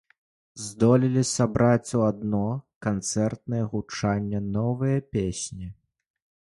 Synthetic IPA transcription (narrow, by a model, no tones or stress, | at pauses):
zd̪ɔlʲilʲisabɾʔat͡sʲuad̪nɔkant̪sɛrt̪̚nɨjɐɣut͡ʂanʲːɐnɔvɨjɐpʲesʲnʲi